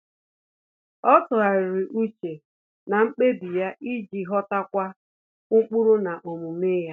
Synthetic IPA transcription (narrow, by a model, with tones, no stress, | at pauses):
ɔ˦tʊ˨a˨ɾɪ˨ɾɪ˨ʔu˦t͡ʃe˨ | na˨ŋ͡m̩˦k͡pe˦bi˨ja˦ʔi˦d͡ʒi˨ɦɔ˦ta˦kʷa˦ | ʊ˦k͡pʊ˦ɾʊ˦na˨ʔo˨mu˨me˦ja˦